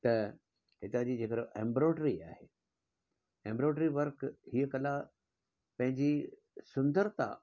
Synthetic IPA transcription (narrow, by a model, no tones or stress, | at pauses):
t̪ɐ | hɪt̪ad͡ʑiːd͡ʑeːkəɾoʔẽːmbɾoːɖɾiaːheː | ẽːmbɾoːʈɾiʋɐɾkhiəkɐla | pɐ̃ɦɪ̃ɲd͡ʑi | sʊ̃nd̪əɾt̪ã̰